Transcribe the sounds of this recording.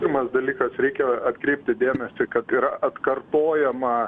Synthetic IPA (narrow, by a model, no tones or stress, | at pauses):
rmɐsd̪ɐlʲiːkɐsɾʲɛɪkʲɛɐt̪kɾʲɛɪp̚ʲt̪ʲɪd̪ʲeːmʲɛsʲɪkɐt̪ɪɾɐʔɐt̪kɐrt̪oːjɛmɐ